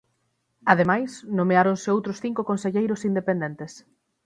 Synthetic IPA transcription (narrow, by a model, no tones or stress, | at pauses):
aðemajsnõmeaɾonseowt̪ɾʊsθiŋkʊkonseʎejɾʊsind̪epẽnd̪ent̪es